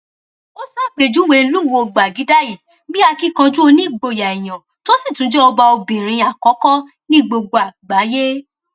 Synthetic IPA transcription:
o˦sa˦˨k͡pe˨d͡ʒu˨˦we˧lu˦˨wo˧˨ɡ͡ba˨ɡi˨˦da˦˨i˨ | bĩ˦a˧ki˦kã˧d͡ʒu˦o˧nĩ˦i˦˨ɡ͡bo˧˨ja˨i˨j̃ã˨ | to˦si˦˨tũ˨˦d͡ʒɛ˦ɔ˧ba˧o˧bĩ˨ɾ̃ĩ˧a˨kɔ˨˦kɔ˦ | nĩ˦˨ɡ͡bo˧ɡ͡bo˧˨a˨ɡ͡ba˨˦je˦

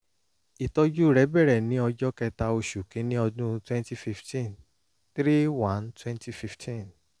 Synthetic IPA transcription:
i˨tɔ˧d͡ʒu˦˨ɾɛ˨˦bɛ˦˨ɾɛ˨nĩ˦ɔ˧d͡ʒɔ˦kɛ˧ta˧o˧ʃu˨kĩ˨˦nĩ˦ɔ˧dũ˦twɛ̃˦nti˦fi˧ftĩ˦˨n | t̪ɾi˦wã˨˦ntwɛ̃˦nti˧fi˧ftʰĩ˦˨n

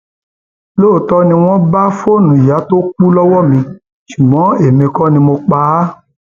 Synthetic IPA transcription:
lo˦˨tɔ˦nĩ˧w̃ɔ̃˦ba˦fo˦˨nũ˨ja˨˦to˦k͡pu˦lɔ˦wɔ˦˨mĩ˧ | ʃu˨mɔ̃˨˦e˨mẽ˧kɔ˦nĩ˧mo˧k͡pa˧˦

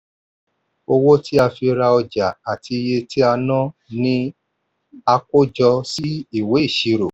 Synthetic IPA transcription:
o˧wo˦tʰi˦a˧fi˧ɾa˧ɔ˧d͡ʒa˨a˨ti˧je˧tʰi˦a˧nã˦nĩ˦ | a˧ko˦d͡ʒɔ˧si˦i˦˨we˨˦i˦˨ʃi˧˦ɾo˨

